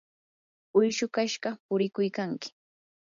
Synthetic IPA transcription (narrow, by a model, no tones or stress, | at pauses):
ʊjʃʊkaʃɢɑpʊɾɪkʊjkaŋkɪ̥